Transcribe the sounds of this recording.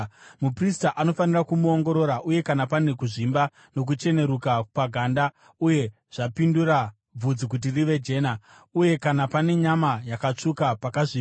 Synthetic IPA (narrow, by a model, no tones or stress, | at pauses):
mupristaʔano̞fanirakumuo̞ŋɡo̞ɾo̞ɾaʔuje̞kanapane̞kuʐimba | no̞k̬ut͡ʃe̞ne̞ɾukapaɡʱanda | uje̞ | ʐ̥apinduɾa | b͡vud͡zikut̬iriʋe̞d͡ʒe̞ːna | uje̞kanapane̞ɲamajakat͡ʂukapakaʐiːa